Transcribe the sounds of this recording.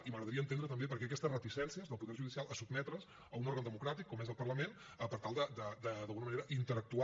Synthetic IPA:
iməɣɾəðəɾiəːnt̪end̪ɾət̪əmbepəɾkɛək̬ɛst̪ərət̪isɛnsiəzðəlˠpuðɛɾʒuðisijalˠəsubmɛt̪ɾəs | əunoɾɣənd̪əmukɾat̪ikːɔmɛzəlˠpərləmen | əpəɾt̪alˠd̪əd̪əd̪əðəlˠɣunəməneɾəʔint̪əɾək̚t̪u

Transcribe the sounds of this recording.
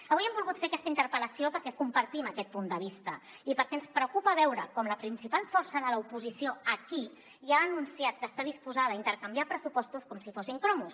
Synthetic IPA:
əβujɛmbulˠɣut̪fekɛst̪əint̪əɾpələsiopəɾkɛkumpəɾt̪iməkɛt̪̚pund̪əβ̞ist̪ə | ipəɾkɛənspɾəukupəβɛwɾəkɔmləpɾinsipalˠfɔɾsəðələupuzisioəki | ʒaːnunsiat̪̚kəːst̪aðispuzaðəːint̪əɾkəmbiapɾəsupɔst̪uskɔmsifosiŋkɾɔmus

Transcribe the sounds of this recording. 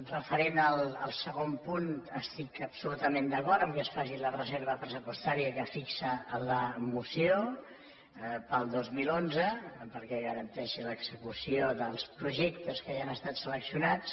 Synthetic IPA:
rəfəɾenəlˠə̰lˠsəɣompunəst̪ikəpsulut̪əmend̪əkɔɾt̪əmkɛsfaʃilərəzeɾβəpɾəsupwəst̪aɾiəkəfiksəələmusio | pəlˠd̪ozmilˠonzəpəɾkɛɣəɾənt̪ɛʃiləɡzəkusioðəlˠspɾuʒɛkt̪əskəjanəst̪at̪sələksiunat͡s

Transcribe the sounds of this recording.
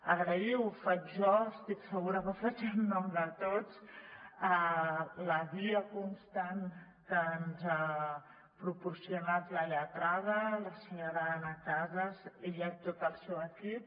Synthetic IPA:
aɡɾaiwfatʒɔst̪iksəɣuɾəvafat͡ʃanunɔmd̪ət̪ot̪s | alaviəkonst̪an | kanza | pɾoporsjonat̪laleat̪ɾaðəlasiɲoɾaanakazəsejat̪ot̪alsoaki

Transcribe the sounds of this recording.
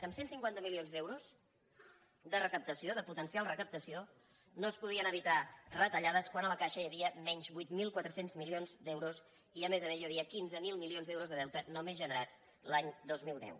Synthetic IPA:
əmsensiŋkwant̪əmilionzd̪ɛwɾus | d̪ərəkəp̚t̪əsioðəput̪ənsialˠrəkəp̚t̪əsio | noəspuð̞iənəβ̞it̪arət̪əʎaðəskwanələkaʃəjəβiəmɛɲzβujt̪milˠkwat̪ɾəsenzmilionzd̪ɛwɾus | iəmezəmezjaβiəkinzəmilˠmilionzðɛwɾuzðəðɛwt̪ənomezʒənəɾat͡s | laɲd̪ozmilˠd̪ɛ̰w

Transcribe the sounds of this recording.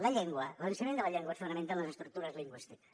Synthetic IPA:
lɐʎɛŋɡwɐlˠənsimẽnd̪əlɐaʎɛŋɡwasfunɐmẽnt̪ələzəst̪ɾuk̚t̪uɾɐzliŋɡwist̪ik

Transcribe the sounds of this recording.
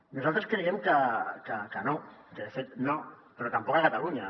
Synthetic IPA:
nosalt̪ɾeskeniɣemkakakanokeefet̪no | peɾot̪ampokaɣat̪aluɲa

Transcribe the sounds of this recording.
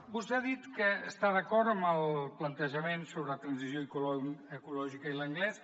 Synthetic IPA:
bust̪ɛaðit̪kəːst̪aðəkɔɾt̪əmbəlˠplənt̪əʒəmensoβɾəət̪ɾənsizjoikuləkulɔʒikəiləŋɡlɛs

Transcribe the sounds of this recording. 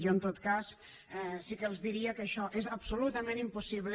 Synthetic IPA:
ʒoənt̪ot̪kas | ɛsikəəlˠzðiɾiəkəːʃɔʔezəbsulut̪əmẽnimpusiβl

